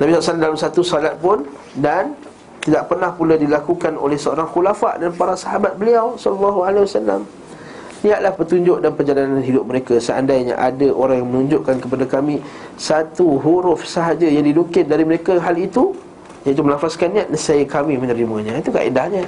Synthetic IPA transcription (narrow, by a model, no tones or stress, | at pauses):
nabisɔlasalamdalamsat̪usɔlat̪̚pʊn | dan | t̪idaʔpərnahpuladilakukano̰lɛhsəoɾaŋxulafaʔdanpaɾasaɦabat̪̚bəliawsɔllːɔɦualewasalːa̰m | niat̪lahpət̪uɲd͡ʒʊʔ̚danpərd͡ʒalanãnɦidʊp̚məɾekasəa̰ndajɲa̰ʔadəʔoɾaŋjaŋmənuɲd͡ʒʊʔkankəpadakamĩ | sat̪uɦuɾʊfsəɦad͡ʒəjaŋdidukɪndaɾiməɾekaɦalit̪u | jãit̪umənafaskanːiaʔ̪nəsaikamĩmə̃nəɾimə̃ɲãit̪uka̰ʔḭdahɲã